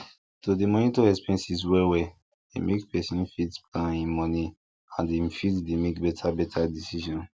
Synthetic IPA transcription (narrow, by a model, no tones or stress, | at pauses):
todemɔnĩtoɛspɛ̃nsiswɛwɛ | dḛmekpɛsĩnfitsplãnĩnmɔni | ãndefitsdemekbɛtʰabɛtʰadisiʃɔ̃n